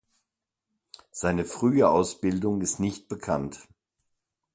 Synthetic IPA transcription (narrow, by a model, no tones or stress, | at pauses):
z̥aɪnəfʁ̥yːəʔaʊsb̥ɪldʊŋɪstnɪçt̚b̥əkʰant